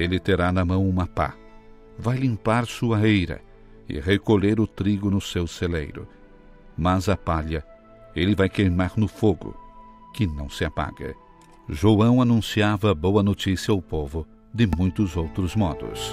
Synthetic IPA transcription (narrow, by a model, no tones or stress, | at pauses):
elɪt̪eɾanɐmɐ̃w̃ũmapa̰ | vajlĩmpaɾsuɐejɾɐ̰ | ɪ̰ʁekoʎeɾʊt̪ɾiɡʊnʊsewselḛjɾʊ̰ | mɐzɐpaʎɐ | elɪvajkejmaɾnʊfoɡʊ̰ | kɪnɐ̃w̃sɪapa̰ɡɐ̰ | ʒoɐ̃w̃anũsiavɐbowɐnot͡ʃ̪isiɐaʊpovʊ | d̪ɪmũj̃t̪ʊzowt̪ɾʊzmɔd̪ʊ̰s